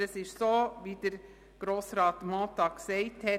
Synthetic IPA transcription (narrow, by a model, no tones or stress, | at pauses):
əsɪʃsoːʋiːd̪eɾ | ɡ̥ɾoːsɾɑːt̪moːt̪ɑːksɛɪt̪ʰɛ